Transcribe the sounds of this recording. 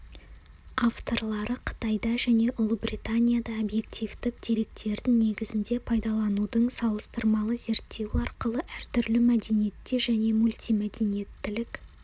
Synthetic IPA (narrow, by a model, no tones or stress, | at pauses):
aft̪o̞ɾlˠɑɾəqʰə̥t̪ɑjd̪ɑʒæne̞ʔʊlˠəbrit̪anʲijad̪ɑobje̞k̚t̪ijvd̪ɪk̚d̪̥e̞ɾe̞k̚t̪e̞ɾd̪ɪŋne̞ɡʲɪzɪnd̪e̞pʰɑjd̪ɑlˠɑnud̪əɴsɑlˠəst̪əɾmɑlˠəze̞ɾt̪ːe̞wɪɑɾqəlˠəʔæɾt̪ʰʏɾlɪmæd̪e̞nije̞t̪ːe̞ʒæne̞mulʲt̪ijmed̪e̞nije̞t̪ːɪlɪk